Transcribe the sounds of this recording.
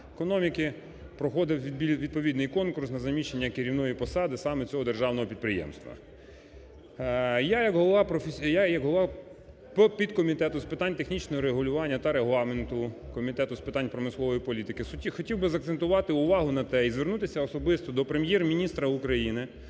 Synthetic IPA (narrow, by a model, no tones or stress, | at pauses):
kɔnɔmʲikɪ | pɾɔxɔd̪ɪwʋʲid̪ʲiʋʲid̪̚pɔʋʲid̪nɪjkɔnkʊrsnɐzɐmʲiʃenʲːɐkɪɾʲiwnɔjipɔsɑd̪ɪsɑmɛt͡sʲɔɦɔd̪erʒɑwnɔɦɔpʲid̪̚pɾɪjɛ̰mst̪ʋɐ̰ | jajɐɡɦɔlˠɔɑpɾɔfejajɐkɦɔlˠɔʋɑ | ppʲid̪kɔmʲit̪ɛt̪ʊspɪt̪ɑnʲt̪exnʲit͡ʃnɔɦɔɾeɦʊlʲʊʋɑnʲːɐt̪ɐɾeɦlˠɑment̪ʊkɔmʲit̪ɛt̪ʊspɪt̪ɑnʲpɾɔmɪslˠɔʋɔjipɔlʲit̪ɪkɪxɔtʲiwbɪzɐk̚t̪sent̪ʊʋɑt̪ɪʊʋɑɦʊnɐt̪ɛizʋernut̪ɪsʲɐɔsɔbɪst̪ɔd̪ɔpɾemjɛrmʲinʲist̪ɾɐukɾɐjinɪ